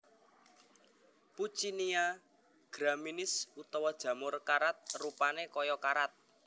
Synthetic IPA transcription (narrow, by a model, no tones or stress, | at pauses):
put͡ʃinia | ɡ̥ɾaminɪsut̪ɔwad̥ʒ̥ä̤mʊrkaɾat̪̚rupanekɔjɔkaɾat̪̚